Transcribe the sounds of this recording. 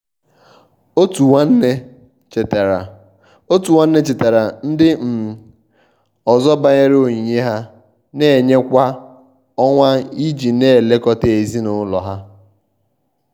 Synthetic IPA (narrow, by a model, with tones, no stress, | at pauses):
o˦tu˨a˦n̩˦ne˦ | t͡ʃtɾ | o˦tu˨wʷa˦n̩˦ne˦t͡ʃe˨te˨ɾa˨n̩˦dɪ˦m̩˨ | ɔ˨zɔ˦ba˨ɲe˦ɾo˨ɲi˨ɲe˦ɦa˦ | ne˦e˨ɲe˦kʷa˦ | ɔ˦ŋʷa˦i˦d͡ʒi˨ne˦˨le˦kɔ˦te˨e˨zi˦nʊ˦lɔ̰˨ɦa˦